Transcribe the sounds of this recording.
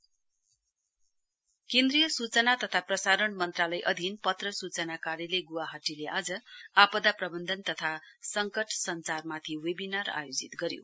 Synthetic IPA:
kẽnd̪rijʌsut͡sʌnat̪ʌt̪ʰaprʌsaɾʌnmʌnt̪ralʌjʔʌd̪ʱinpʌt̪rʌsut͡sʌnakaɾjʌleɡuwaɦʌʈileʔad͡zʌapʌd̪aprʌbʌnd̪ʱʌnt̪ʌt̪ʰasʌŋkʌʈʰsʌnt͡sarmat̪ʰiwebinara̰jod͡zit̪ɡʌɾjo̰

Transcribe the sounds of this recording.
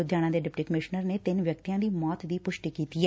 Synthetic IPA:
ʊd̪jaːnãːd̪eːɖɪpʈiːkəmɪʃnəɾneːt̪ɪnʋjək̚t̪ijãːd̪iːmɔːt̪d̪iːpʊʃʈiːkiːt̪iːɛː

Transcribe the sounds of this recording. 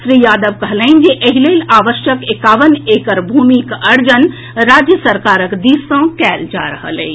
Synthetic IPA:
sɾijaːd̪əʋkəɦlɛ̃ɪnd͡ʒeʔəɦileilaːʋəʃjəkekaːʋəneːkəɾbʱuːmikəɾd͡ʒən | ɾaːd͡ʒjəsəɾkaːɾəkd̪isə̃kɛːld͡ʒa̰ɾəɦə̰lḛi

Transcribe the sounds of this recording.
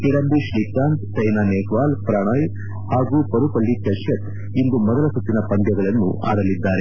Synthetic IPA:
iɽɐmbiʃlik̚aːnt̪sɐjnaneːkʋaːlpɾaːɳɐːj | haːɡuːpɐɾupɐɭːikɐʃjɐt̪ | ind̪umɐd̪ɐlɐsut̪ːinɐpɐnd̪jɐɡɐɭɐnːṵʔa̰ːɾɐlid̪ːaːɾe

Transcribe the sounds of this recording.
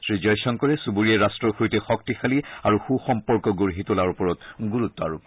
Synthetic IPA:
sɹid͡ʒɔjsɔŋkɔɹɛsubuɹiɛɹastɹɔxuɹitɛxɔk̚tixaliaɹuxuxɔmpɔɹkɔɡoɹɦitʊlaɹupɔɹɔtɡuɹut̪ːɔa̰ɹup

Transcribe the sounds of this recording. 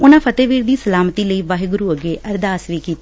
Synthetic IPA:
ʊnãːpʰət̪eːʋiːɾd̪iːsəlaːmət̪iːləiːʋaːɦiɡʊɾuːəɡeːʔəɾd̪aːsʋiːkiːt̪

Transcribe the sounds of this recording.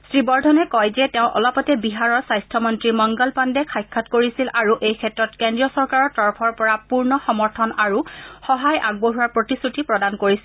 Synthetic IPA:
sɹibɔɹdʱɔnɛkɔjzɛtɛʊ̃ʔɔ̰lɔpɔtɛbiɦaɹɔɹsajstʰɔmɔntɹimɔŋɡɔlpandɛkʰajkʰːatkoɹisilʔaɹuʔejkʰɛtɹɔtkendɹijɔsɔɹkaɹɔɹtɔɹpʰɔɹpɔɹapuɹnɔxɔmɔɹtʰɔnaɹuxɔɦajʔaɡ̚boɦuaɹpɹotisutipɹɔdankoɹisi

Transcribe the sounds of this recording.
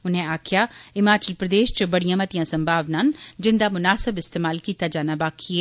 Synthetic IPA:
ʊnɦẽaːkʰɪjaːɪmaːt͡ʃəlpɾəd̪eːʃt͡ʃbɐɽijãːmɐt̪ijãːsɐ̃mbʱaːʋnaːnd͡ʒɪnd̪amʊnaːsɪbɪst̪eːmaːlkiːt̪ad͡ʒaːnabaːkʰie

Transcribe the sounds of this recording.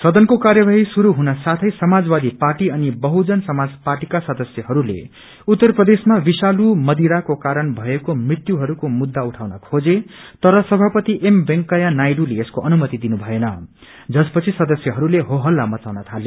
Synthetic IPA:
sʌd̪ʌnkokarjʌbaɦisuɾuɦunʌsat̪ʰʌjsʌmad͡zbad̪iparʈiʌnibʌɦud͡zʌnsʌmad͡zparʈikasʌd̪ʌsjʌɦʌɾulḛ | ut̪ːʌrprʌd̪esmabisalumʌd̪iɾakokaɾʌnbʱʌekomrit̪juɦʌɾukomud̪ːauʈʰawnʌkʰod͡zet̪ʌɾʌsʌbʱapʌt̪iʔembeŋkʌjanajɖuleːskoʔʌnumʌt̪id̪inubʱʌenʌ | d͡zʌspʌt͡sʰisʌd̪ʌsjʌɦʌɾuleɦoɦʌlːamʌt͡sawnʌt̪ʰale

